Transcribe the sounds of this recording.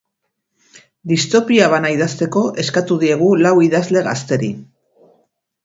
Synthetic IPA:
d̪ist̪o̞piaβanaiðast̪e̞ko̞ʔe̞skat̪uð̞ie̞ɣ̞ulawiðazle̞ɣa̰st̪e̞ɾi

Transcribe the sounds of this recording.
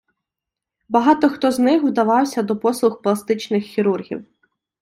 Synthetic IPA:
bɐɦɑt̪ɔxt̪ɔznɪxwd̪ɐʋɑwsʲɐd̪ɔpɔslˠʊxplˠɐst̪ɪt͡ʃnɪxːʲiɾurɦʲḭw

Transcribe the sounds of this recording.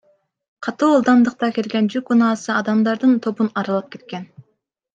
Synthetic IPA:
qʰɑt̪uːlˠd̪ɑnd̪ɯq̚t̪ɑkelɡend͡ʒykunɑːsɯɑd̪ɑmd̪ɑɾd̪ɯnt̪ʰo̞bunɑɾɑlˠɑp̚ke̞t̪̚ken

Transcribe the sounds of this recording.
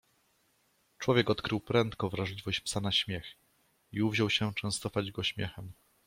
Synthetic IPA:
t͡ʂwɔvʲjɛkɔt̪kɾɘwpɾɛnt̪kɔvɾaʐlʲivɔɕt͡ɕpsanaɕmʲjɛx | iuvʑɔwɕɛt͡ʂɛw̃st̪ɔfad͡ʑɡɔɕmʲjɛ̰xɛm

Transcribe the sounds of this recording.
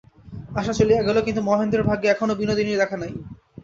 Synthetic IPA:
aʃat͡ɕoliɛɡulokint̪̬umɔɦend̪ɾeɾbʱaɡeɛkʰonobinod̪inid̪ɛkʰanaj

